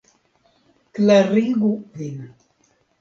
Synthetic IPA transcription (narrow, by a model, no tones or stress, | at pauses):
klaɾiɡuvin